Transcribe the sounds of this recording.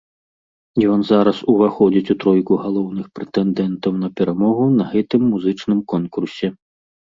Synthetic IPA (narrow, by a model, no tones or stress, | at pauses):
jɔnzaɾɐsuvaxɔd͡zʲit͡sʲut̪ɾɔjkuɣalˠɔwnɨxpɾɛt̪ɛnd̪ɛnt̪ɐwnɐpʲɛɾamɔɣunɐɣɛt̪ɨmːuzɨt͡ʂnɨmkɔnkursʲɛ